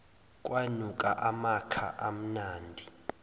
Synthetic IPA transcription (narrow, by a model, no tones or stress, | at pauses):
kʼwanukʼaʔamakʰa̰ʔam̩naːndʱi